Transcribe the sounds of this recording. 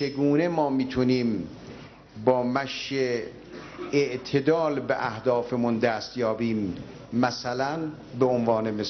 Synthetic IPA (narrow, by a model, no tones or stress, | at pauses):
t͡ʃeɡuːne̞mɒːmiːt̪ʰuniːm | bɒːmæʃe | ʔt̪ʰed̪ɒːlbeʔæhd̪ɒːfemund̪æːst̪jɒːbiːmː | æsælæn | beonvɑːnemes